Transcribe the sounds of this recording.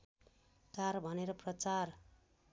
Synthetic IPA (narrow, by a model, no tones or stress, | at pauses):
karbʱʌneɾʌprʌt͡sar